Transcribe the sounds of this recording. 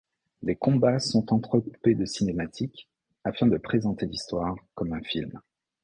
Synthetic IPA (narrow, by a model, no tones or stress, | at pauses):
lekɔ̃basɔ̃t̪ɑ̃t̪χəkuped̪əsinemat̪ʰik | afɛ̃d̪əpχezɑ̃t̪elist̪waʁkɔmɛ̃film